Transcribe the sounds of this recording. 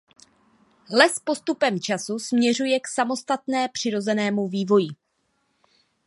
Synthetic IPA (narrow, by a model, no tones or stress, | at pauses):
lɛspo̞st̪upɛmt͡ʃasusmɲɛr̝ujɛksamo̞st̪at̪nɛːpr̝̥ɪɾo̞zɛnɛːmuviːvo̞jɪ